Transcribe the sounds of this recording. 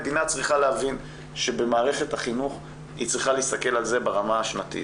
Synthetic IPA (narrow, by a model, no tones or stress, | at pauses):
d̪inat͡sʁiχaleavin | ʃe̞be̞maːʁe̞χe̞t̪haχinuχ | hit͡sʁiχalist̪ake̞lalze̞baʁamaaʃnat̪ḭ